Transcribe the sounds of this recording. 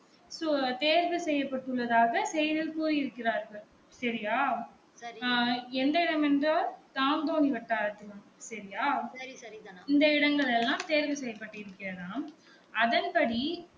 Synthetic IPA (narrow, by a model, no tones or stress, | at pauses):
soːt̪eːɾʋɯsɛjːɐpːɐʈːɯɭːɐðaːɣɐsɛjɐðɪlkuːɾiɪɾɯkːɪɾaːɾɣɐɭ | sɐɾɪjaː | ɛnd̪ɐɪɽɐmɛndraːlt̪aːnd̪oːniʋɐʈːaːɾɐt̪ːɯlɐmsɐɾɪjaː | ɪnd̪ɐɪɽɐŋɡɐɭɛlːãːmt̪eːɾʋɯsɛjːɐpːɐʈːɯɪɾɯkːɪɾɐnaːm | ɐðɐnpɐɽi